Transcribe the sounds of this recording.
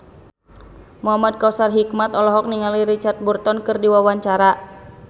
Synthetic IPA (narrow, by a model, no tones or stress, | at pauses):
muɦamad̚kausarɦikmat̪ɔlɔɦɔk̚niŋaliɾit͡ʃart̪̚burt̪ɔnkɨrdiwawaɲt͡ʃaɾa